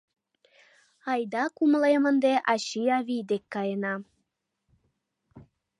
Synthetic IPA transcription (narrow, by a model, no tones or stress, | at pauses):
ɑjd̪ɑkumlemənd̪eʔɑɕijɑβid̪ekːɑjənɑ